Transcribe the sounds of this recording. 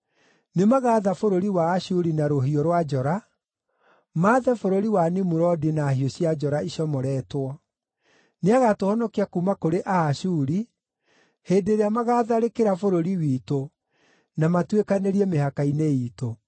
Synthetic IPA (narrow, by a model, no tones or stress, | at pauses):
nemaɣaːðafoɾoɾiwaːɕuɾinaɾoɦiɔɾwad͡ʒɔɾa | maːðɛfoɾoɾiwanimuɾɔdinahioɕjad͡ʒɔɾaiɕjɔmɔɾɛːtwɔ | neaɣatohɔnɔkiakumakoɾeʔaːʃuɾi | heːdeɾeamaɣaːðaɾekeɾafoɾoɾiwito | namatwekaneɾiɛmehakaineiːto